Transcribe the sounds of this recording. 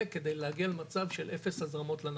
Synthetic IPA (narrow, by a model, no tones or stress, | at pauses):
ked̪ejleaɡialemat͡savʃelʔefeshazʁamo̞t̪lan